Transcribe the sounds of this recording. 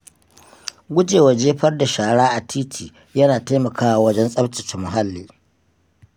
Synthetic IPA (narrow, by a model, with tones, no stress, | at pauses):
ɡʷʊ˦d͡ʒeː˨wɐ˨d͡ʒeː˦ɸɐ˦rda˨ʃaː˨ɽaː˦ʔa˨tʰiː˦tʰiː˨ | jɐ˦naː˨ta˦jmɐ˨kaː˦wa˨wɐ˦d͡ʒɛ˦nsʼɐ˦bt͡ʃɪ˨t͡ʃɛ˨mʊ˨ɦa˦lːiː˨